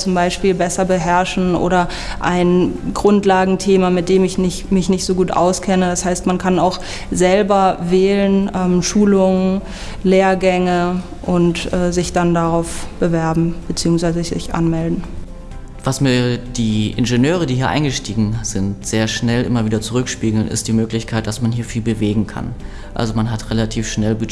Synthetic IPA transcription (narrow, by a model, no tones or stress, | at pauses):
t͡sʊmbaɪʃpiːlbɛsɐbəɦɛɐʃn̩ʔo̰ːɾɐ | ʔaɪnɡʁʊntlaːɡŋ̩tʰeːmamɪt̚d̥eːmɪçnɪçmɪçnɪçtz̥oːɡuːtʔa̰ʊskʰɛnədashaɪstmankʰanaʊx | zɛlbɐvɛːlənʔɛːmʃuːlʊŋən | leːɐɡɛŋə | ʔʊntʔɛːzɪçd̥andaʁaʊfb̥əvɛɐbm̩b̥ət͡siːʊŋsv̥aɪzəzɪ̰çʔa̰nmɛldn̩ | vasmiːɐd̥iːʔɪ̰nʒenøːʁ̞ədiːhiːɐʔa̰ɪŋɡəʃtiːɡŋ̩z̥ɪntz̥eːɐʃnɛlʔɪ̰mɐviːdɐt͡suʁʏkʃpiːɡl̩nɪ̰std̥iːmøːklɪçkʰaɪt̚d̥asmanɦiːɐfiːlbəveːɡŋ̩kʰa̰n | ʔa̰lzomanɦatʁelatʰiːfʃnɛlbə